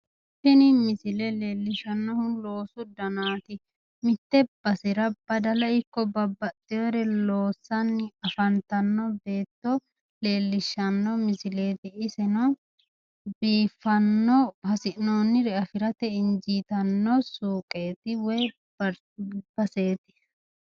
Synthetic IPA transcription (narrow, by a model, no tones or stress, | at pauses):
pɛnɪmɪsɪlɛleːlːɪʃɐnːɔhʊlo̞ːsʊd̪ɐnaːt̪ɪ | mɪt̪ːɛb̥ɐsɪɾɐb̥ɐd̪ɐlɐɪkːɔbɐbːɐt̪ʼːɪɔɾɛlo̞ːsɐnːɪɐfɐnt̪ɐnːɔbe̞ːt̪ːɔ | le̞ːlːɪʃːɐnːɔmɪsɪle̞ːt̪ɪːsɛnɔ | biːfːɐnːɔhɐsɪʔnoːnːɪɾɛɐfɪɾɐt̪ɛɪnd͡ʒiːt̪ɐnːɔsuːkʼe̞ːt̪ɪwɛj | b̥ɐseːt̪ɪ̥